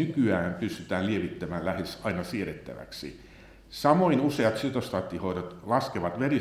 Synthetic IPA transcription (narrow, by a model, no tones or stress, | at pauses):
ykyæːmpyst̪yt̪æːlieʋit̪ːæmæːllæhesɑinɑsieret̪ːæ̰ʋæ̰ksḭ | sɑmoinuseɑt̪syt̪ost̪ɑːt̪ːihoiɾot̪lɑskeʋɑt̪ʋeri